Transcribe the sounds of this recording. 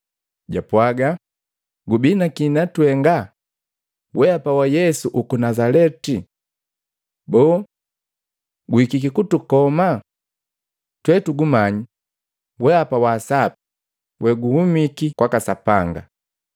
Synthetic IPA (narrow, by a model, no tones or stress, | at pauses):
ɟapwaɡa | ɡubinakinatwɛŋɡa | wʔɛapawajɛsuʔukunazalɛti | bɔː | ɡuikikikutukɔma | twɛtuɡumaɲi | wɛapawaːsapi̥ | wɛɡuhumikikwakasapaŋɡa̰